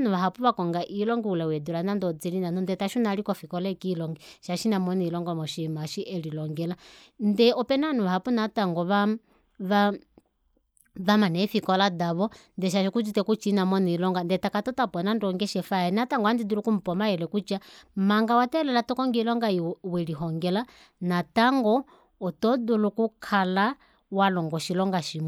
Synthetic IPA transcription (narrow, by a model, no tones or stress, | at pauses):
nuβaɦapuβakɔŋɡaʔilɔŋɡɛulawɛduɾanandɔd͡zɛlinanɔndɛtaʃunalikɔfikɔlɛkilɔŋɡɛʃaʃinamɔniilɔŋɡɔmɔʃɛmaʃiʔɛlilɔŋɡɛla | ndɛɔpɛnanuβaɦapunataŋɡɔβa | βa | βamanɛfikɔladaβɔndɛʃ̬aʃikud͡ʒitɛkut͡ʃinamɔnilɔŋɡandɛtakatɔtapɔnandɔŋɡɛʃɛfaɛnataŋɡɔandidulukum̩pɔmaɛlɛkut͡ʃamaŋɡawatɛlɛlatɔkɔŋɡilɔŋɡaiwɛliɦɔŋɡɛla | nataŋɡɔ | ɔtɔdulukukʰala | walɔŋɡɔʃilɔŋɡaʃimu